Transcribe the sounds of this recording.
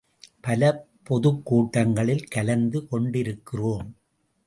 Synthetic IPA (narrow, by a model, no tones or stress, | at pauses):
pɐlɐpːɔðɯkːuːʈːɐŋɡɐɭɪlkɐlɐnd̪ɯkɔɳɖɪɾɯkːɪroːm